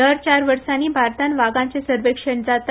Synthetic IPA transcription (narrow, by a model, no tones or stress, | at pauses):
əɾt͡ɕaɾʋəɾsaniːbʱaɾt̪anʋaɡãɲt͡sesəɾʋekʂəɳd͡zat̪